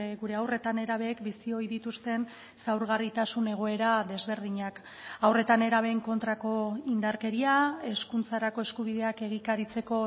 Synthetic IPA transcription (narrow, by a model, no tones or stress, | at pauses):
ɣuɾe̞awre̞t̪ane̞ɾaβ̞e̞ːkbisio̞jðit̪ust̪e̞n | sawɾɣarit̪asune̞ɣ̞o̞e̞ɾaðe̞zβe̞ɾð̞iɲak | awre̞t̪ane̞ɾaβe̞ːŋko̞nt̪ɾako̞ind̪aɾke̞ɾiae̞skunt͡saɾako̞e̞skuβ̞iðe̞ake̞ɣ̞ikaɾit͡se̞ko̞